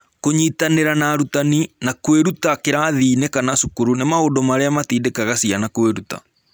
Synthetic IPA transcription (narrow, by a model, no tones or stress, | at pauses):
koɲitaneɾanaɾutaninakweɾutakeɾaðiːnekanasukuɾunemaondomaɾeamatiːdekaɣasianakweɾuta̰